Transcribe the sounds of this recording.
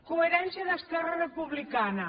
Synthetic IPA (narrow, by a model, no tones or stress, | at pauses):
kueɾɛnsjaðəskɛrɐrepuβlikanɐ